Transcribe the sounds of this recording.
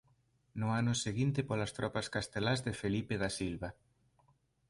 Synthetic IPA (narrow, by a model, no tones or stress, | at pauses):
nʊanʊseɣint̪ɪpolast̪ɾɔpaskast̪elazðefelipeðasilβa